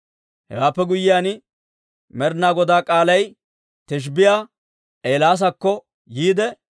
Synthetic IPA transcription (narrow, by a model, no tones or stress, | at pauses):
hɛ̰waːpːɛɡʊjɪjaːn | mɛɾnaːɡɔd̪aːkʼaːlɐj | t̪ɛʃ̬bɪjaː | ʔeːlaːs̬ɐkːɔ | jiːd̪ɛ